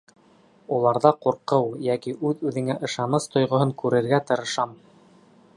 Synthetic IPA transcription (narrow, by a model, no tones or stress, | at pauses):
ulˠɑɾðɑquɾqɤwjækiʔʉðʉðɘ̆ŋæʔɤ̆ʃɑnɤst̪ŏjʁŏɦɤŋkʉɾɘ̆ɾɡæt̪ɤ̆ɾɤ̆ʃɑm